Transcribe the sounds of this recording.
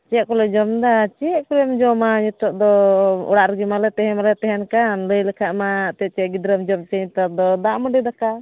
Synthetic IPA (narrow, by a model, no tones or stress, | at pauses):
t͡ʃɛʔ̚kɔlɛd͡ʒɔmd̪at͡ʃɛʔkɔlɛmd͡ʒɔmaɲut̪ɔʔ̚d̪ɔɔ̰ɽaʔɾəɡimalɛt̪ɛɦɛmalɛt̪ɛɦɛnkanləjlɛkʰaʔmat̪ɛt͡ʃɛʔɡid̪ɾəmd͡ʒɔmt͡ʃɛɲit̪ɔd̪ɔd̪aʔməɖid̪aka